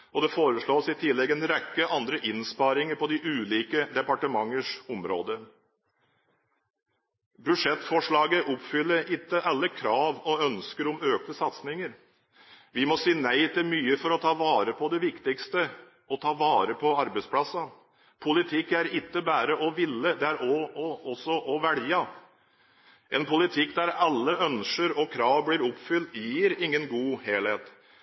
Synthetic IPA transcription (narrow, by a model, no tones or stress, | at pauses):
ɔd̪ɛfoːɾəʂɭoːsɪt̪ʰɪlɛɡɛnɾɛkːəʔɑnd̪ɾəʔɪnspɑɾɪŋəɾpʰɔd̪ɪʔʉːliːkəd̪ɛpɑʈəmɑŋːəʂɔmɾo̰ːd̪ə | bʉʂɛt̪ːfɔʂɭɑːɡəʔʊpfʏlːəɾɪt̪ːəʔɑlːəkʰɾɑːʋɔœnskəɾʊmøːk̚t̪əsɑt̪snɪŋəɾ | ʋɪmɔsiːnæɪt̪ɪlmyːəfɔɾɔt̪ʰɑːʋɑːɾəpʰɔd̪ɛʋɪkt̪ɪkst̪ə | ɔt̪ʰɑːʋɑːɾəpʰɔɑɾbəɪspʰlɑsɑ | pʰʊlɪt̪ʰɪkːæɾɪt̪ːəbæːɾəʔɔʋɪlːəd̪ɛæɾʔɔɔɔsːɔʔɔʋɛljɑ | ʔɛnpʰʊlɪt̪ʰɪkːd̪æɾɑlːəœnʃəɾɔkʰɾɑːʋbliːɾʊpfʏlt̪jiːɾɪŋːənɡuːheːlheːt̪